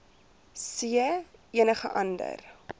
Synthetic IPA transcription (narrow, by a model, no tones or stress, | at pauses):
siəiənəχəʔɐndə̰r